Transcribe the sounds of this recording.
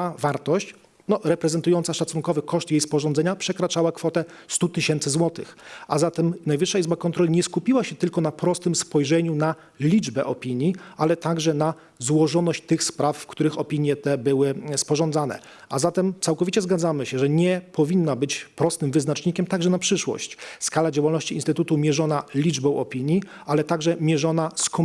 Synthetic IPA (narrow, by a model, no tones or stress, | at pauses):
avaɾt̪ɔɕt͡ɕ | nɔɾɛpɾɛzɛnt̪ujɔnt̪saʂat̪sunŋkɔvɘkɔʂt̪jejspɔʐɔ̃ndzɛɲapʂɛkɾat͡ʂawakfɔt̪ɛst̪ut̪ɘɕɛnt̪sɘzwɔt̪ɘ̰xʔazat̪ɛmnajvɘʂːaizbakɔnt̪ɾɔlʲiɲɛskupʲiwaɕɛt̪ɘlkɔnapɾɔst̪ɘmspɔjʐɛɲuna | lʲid͡ʐbɛʔɔpʲiɲjiʔalɛt̪aɡʐɛna | zwɔʐɔnɔɕt͡ɕt̪ɘxspɾafːkt̪uɾɘxɔpʲiɲjɛt̪ɛbɘwɘspɔʐɔnd̪zanɛ̰ | azat̪ɛmt̪sawkɔvʲit͡ɕɛzɡad̪zamɘɕɛʐɛɲɛpɔvʲinːabɘt͡ɕpɾɔst̪ɘmvɘznat͡ʂɲikʲɛmt̪aɡʐɛnapʂɘʂwɔ̰ɕt͡ɕskalad͡ʑawalnɔɕt͡ɕiiːnst̪ɘt̪ut̪umʲjɛʐɔnalʲid͡ʐbɔ̃w̃ʔɔpʲiɲji | alɛt̪aɡʐɛmʲjɛʐɔnaskɔ